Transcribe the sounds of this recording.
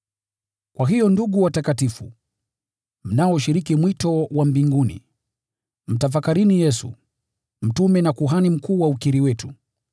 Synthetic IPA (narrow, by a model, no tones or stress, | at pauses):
kwʔaɦijɔnduɠuwatakatifṵ | m̩nawɔʃiɾikimwitɔwambiŋɡunḭ | m̩taf̬akaɾinijɛsṵ | m̩tumɛnakuɦanim̩kuːwaukiɾiwɛtu